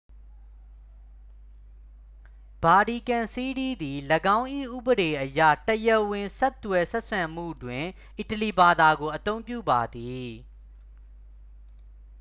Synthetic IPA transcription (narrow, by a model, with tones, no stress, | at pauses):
b̥a˨ɾi˨kã˨nsi˦di˦d̪i˨lə˨ɡã˦ʊ̃ʔḭ˦˨ʔṵ˦˨bəɾe˨ʔəjä̰˦˨təjə˦wɪ̃˨nsɛ˦t̪ːwɛ˨sɛ˦ʔsʰã˨m̥ṵ˦˨dwɪ̃˨ | ʔi˨təli˨ba˨d̪a˨ɡo˨ʔət̪õ˦ʊ̃mpjṵ˦˨ba˨d̪i˨